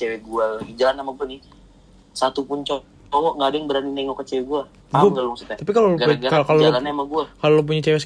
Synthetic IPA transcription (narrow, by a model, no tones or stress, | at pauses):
t͡ʃewɛɡualaɡid͡ʒalanːamaɡuanɪ | sat̪upʊnt͡ʃɔ | ɔŋɔŋɡaːdaŋbəɾaninɛŋɔkət͡ʃewɛɡua | aɡalɔŋsit̪at̪apikaloaakalod͡ʒllanɲamaɡuakalolowp̬uɲat͡ʃɛwɛs